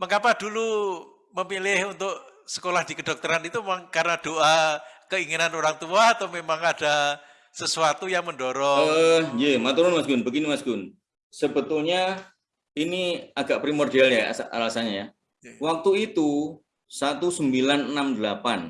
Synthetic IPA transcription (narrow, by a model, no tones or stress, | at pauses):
məŋapadulu | məmilɪhunt̪ʊʔsə̥kolahd̥ikədɔk̚t̪əɾanit̪umemaŋkarnad̥oʔakəiŋinanoɾaŋt̪uaːt̪amemaŋada | səsuat̪ujaŋməndoɾɔəjemat̪uɾʊnmasɡʊnbəɡinimasɡʊn | səbət̪ʊlɲa | iniaɡaʔpɾimordialja̰aa̰lasaɲaja | wak̚t̪uit̪u | sat̪usəmbilannːamdəlapan